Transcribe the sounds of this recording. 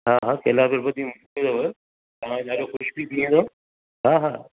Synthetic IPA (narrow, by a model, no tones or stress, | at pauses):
ɦaːɦaːkelabɪɾbɐd̪ʱimʊ | ĩd̪oɦe | t̪ɐʋ̤ãɲaːɗoxʊʃbit̪ʰĩːn̆d̪oː | ɦaːɦaː